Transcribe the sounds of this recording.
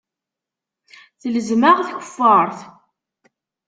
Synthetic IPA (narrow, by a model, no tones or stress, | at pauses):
θələzmaʁθçə̥fːəɾˤθ